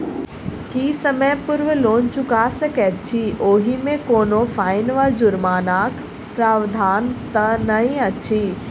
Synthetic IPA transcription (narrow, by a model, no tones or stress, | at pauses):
kiːsɐməjpʊɾʋloːnt͡ɕʊkaːsəkeɐt͡ɕʰiːoːɦimẽkoːnofaːɪnʋald͡ʑʊɾmaːnaːk | pɾaːʋd̪ʱaːnt̪ɐnɐɦĩɐt͡ɕiː